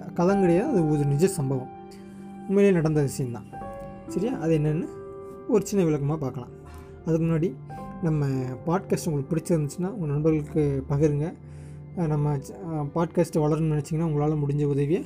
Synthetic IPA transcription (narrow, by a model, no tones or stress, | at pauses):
kɐðɐŋɡɐɽɐjaːɐðɯʊɾnɪd͡ʒjɐsɐmbɐʋɐ̃m | ʊmmeːlijɐnɐɽɐnd̪ɐʋɪsɐjɐmd̪ã̰ː | sɐɾɪjaːʔɐðɯɛnːɐnːɯ | ɔɾɯt͡ʃɪnːɐʋɪɭɐkːɐmaːpaːɾkɐɭã̰ː | ɐðɯkːɯmʊnːaːɽinɐmːɐpaːʈ̚kaːsʈʊŋɡɐɭɯk̚ːpɪɽɪt͡ʃːɯɾɯnd̪ɯt͡ʃːɯnːaːʊŋɡɐnɐɳbɐɾɣɐɭɯkːɯpɐɣɪɾɯŋɡɐ | nɐmːɐ | paːʈ̚kaːsʈʋɐɭɐɾɯnnɐnɐt͡ʃːɯŋɡɐnːaːʊŋɡɐɭaːɭɐ̃mʊɽɪɲd͡ʒɐʊðɐʋɪjɐ